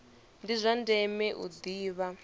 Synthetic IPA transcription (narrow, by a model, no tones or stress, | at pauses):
ndizʷandɛmɛʔṵd̪iːβa